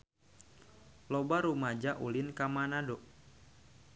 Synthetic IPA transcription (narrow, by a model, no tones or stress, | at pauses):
lɔbaɾumad͡ʒaʔulɪnkamanado